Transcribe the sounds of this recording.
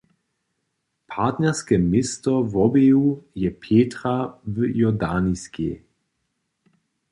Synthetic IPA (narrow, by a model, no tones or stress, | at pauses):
pʰaːt̪nɛʁskɛmɪst̪ɔvɔbejujɛpʰeːt̪ʁavjɔdaːniskʰḛ